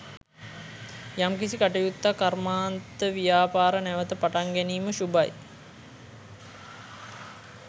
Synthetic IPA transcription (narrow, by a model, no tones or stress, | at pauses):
jamkisikaʈijut̪ːakarmaːnt̪əʋijaːpaːɾənæʋət̪əpaʈaŋɡɛniːməʃubaj